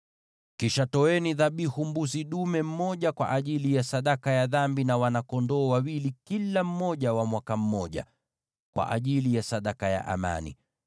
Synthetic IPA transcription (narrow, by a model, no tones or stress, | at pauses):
kiʃatɔɛniðaɓihumbusiɗumɛm̩mɔʄakwa̰ʔaʄilijasaɗakajaðambinawanakɔndɔːwawilikilam̩ːɔʄawamwakam̩mɔʄa̰ | kwa̰ʔa̰ʄilijasaɗakaja̰ʔa̰ma̰nḭ